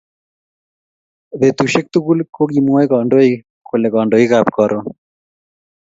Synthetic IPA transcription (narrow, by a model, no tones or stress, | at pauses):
ðet̪uʃek̚t̪uɡulkoɡimoeɡɔɳɖoi | kʰoleɡɔɳɖoiɡapkɔɾʔo